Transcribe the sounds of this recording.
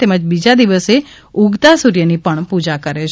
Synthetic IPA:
t̪eməd͡ʒbid͡ʒad̪iʋəse | uɡt̪asuɾjənipəɳpud͡ʒakəɾet͡ʃ

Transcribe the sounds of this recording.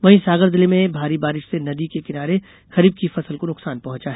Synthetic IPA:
ʋɐɦĩsaːɡəɾd̪ɪlemẽbʱaːɾibaːɾɪʃsenɐd̪ikekɪnaːɾe | xɐɾiːb̚kifɐsəlkonʊqsaːnpɐɦʊ̃t͡ʃaɦɛː

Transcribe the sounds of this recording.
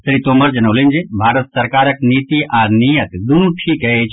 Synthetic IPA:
sɾiːt̪oːmɐɾd͡ʒɐnɐʋlẽnd͡ʒebʱaːɾət̪sɐɾkaːɾəkniːt̪iʔaːɾnijət̪d̪unuʈʰikəet͡ʃʰ

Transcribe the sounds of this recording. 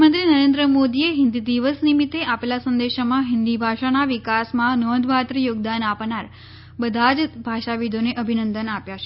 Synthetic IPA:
mənt̪ɾinəɾend̪ɾəmod̪ieɦɪnd̪id̪iʋəsnimit̪ːeʔapelasə̃nd̪eʃmãɦɪnd̪ibʱaʃanaʋikasmãnɔd̪ʱʋat̪ɾijoɡ̚d̪anapnaɾ | bəd̪ʱad͡ʒbʱaʃaʋid̪ʱoneʔəbʱinənd̪ənapjat͡ʃe̥

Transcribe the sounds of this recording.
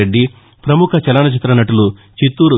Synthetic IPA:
eɖːi | pɾɐmukʰɐt͡ʃɛlaːnɐt͡ʃit̪ːɾɐnɐʈulu | t͡ʃit̪ːuːɾu

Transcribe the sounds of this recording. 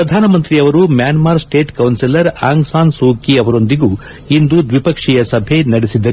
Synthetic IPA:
pɾɐd̪ʱaːnɐmɐnt̪ɾiɐʋɐɾumjaːnmaːɾsʈe̞ːʈkɐwnsilɐɾaːŋɡsaːnsuːkiɐʋɐɾo̞nd̪iɡuː | ind̪ud̪ʋipɐkʂijɐsɐbʱenɐɽisid̪ːɐ

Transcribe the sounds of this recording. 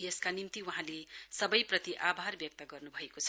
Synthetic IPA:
jeskanimt̪iwaɦãlesʌbʌjprʌt̪iʔabʱarbjʌk̚t̪ʌɡʌrnubʱʌekot͡sʰʌ̥

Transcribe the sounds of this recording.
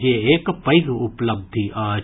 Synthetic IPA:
eeːkpɐɪɡʊpləb̚d̪ʱiʔaː

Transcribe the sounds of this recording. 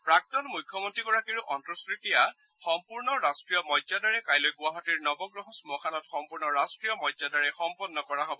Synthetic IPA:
pɹak̚tɔnmujkʰːjɔmɔntɹiɡɔɹakiɹuʔɔntɹɔskɹitija | xɔmpuɹnɔɹastɹijɔmɔjdzadaɹɛkajlɔjɡuwaɦatiɹnɔbɔɡɹɔɦɔsmɔkʰanɔtxɔmpuɹnɔɹastɹijɔmɔjdadaɹɛxɔmpɔnːɔkɔɹaɦobɔ

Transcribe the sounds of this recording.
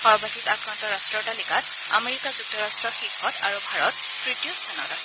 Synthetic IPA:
xɔɹɔbʱatikakɹantɔɹastɹɔtalikat | a̰meɹikazuk̚tɔɹastɹɔxiɡʱːɔta̰ɹubʱaɹɔt̚ | tɹitijostʰanɔtasɛ

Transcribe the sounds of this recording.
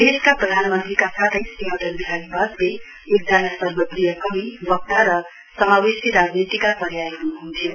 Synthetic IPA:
d̪eskaprʌd̪ʱanmʌnt̪rikasat̪ʰəsimʌd̪ʌlbiɦaɡibʌsle | ud̪d͡ʒanʌsʌɾbʌprijʌkʌmibʌk̚t̪aɾʌ | sʌmawisiɾad͡znit̪ikapʌɾjajenuɦunt̪ʰjo

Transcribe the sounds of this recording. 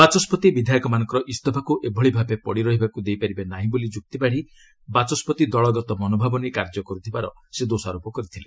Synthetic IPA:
bat͡ʃɔspɔt̪ibid̪ʱajɔkɔmanɔ̃ŋkɔɾɔʔist̪ɔbʰʱakuʔebʱɔɭibʱabepɔɽiɾɔɦibakud̪ejpaɾibanaɦĩbolid͡ʒuk̚t̪ibaɽ̤i | bat͡ʃɔspɔt̪id̪ɔɭɔɡɔt̪ɔmɔnobʱabɔnekaɾd͡ʒɔkɔɾut̪ʰibaɾɔ | sed̪osɔaɾopɔkɔɾit̪ʰile

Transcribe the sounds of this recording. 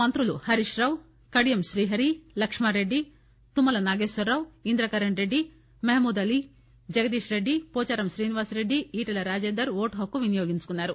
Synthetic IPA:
mɐnt̪ɾuluhɐɾiʂɾɐʋ | kɐɽijɐmʃɾiːɦɐɾilɐkʂmaːɾeɖːi | t̪umːɐlɐnaːɡeːsʋɐɾːɐwind̪ɾɐkɐɾɐɳɾeɖːi | meɦmuːd̪ɐli | d͡ʒɐɡɐd̪iːʃɾe̞ɖːipɔːt͡ʃaːɾɐmʃɾiːniʋaːsɾeɖːiiːʈɐlɐɾaːd͡ʒeːnd̪ɐɾʋoːʈɦokːuʋinijoːɡiɲt͡ʃukunːaːɾu

